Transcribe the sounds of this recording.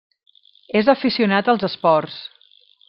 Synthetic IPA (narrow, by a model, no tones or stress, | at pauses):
ezəfisiunat̪əlˠzəspɔrs